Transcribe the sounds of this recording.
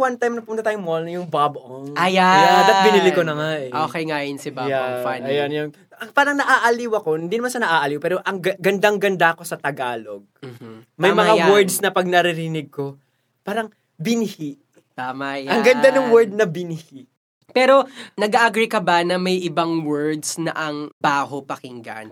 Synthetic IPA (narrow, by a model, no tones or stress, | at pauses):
want̪ajmnɐpʊmʊnt̪ɐt̪aːjʊŋmolnɐjʊŋbaboŋʔajaad̪ɐt̪̚bɪnɪlɪkonɐŋaʔɛʔokɐjŋaːjonsɪbajaɐjɐnjon | ɐpaːɾɐŋnɐʔaːʔɐliwɐko̞nɪnd̪inmanʃɐnɐʔaːʔɐliwpɛːɾo̞ʔɐŋɡɐɡɐnd̪aŋɡɐnd̪aɐko̞sɐt̪ɐɡaːlo̞̰ɡ̚mɐjmɐŋawɛɹd̪snɐpɐɡ̚nɐɾɪɾɪnɪɡ̚ko̞ | paːɾɐŋ | bɪnɪhiʔ | t̪aːmɐjʔɐŋɡɐnd̪anoŋwɛɹd̪̚nɐbɪnɪhiʔ | pɛːɾo̞nɐɡaʔɐɡɾikɐbɐnɐmɐjʔɪbaŋwɛɹd̪snɐʔɐŋbaːɦopɐkɪŋɡɐ̰n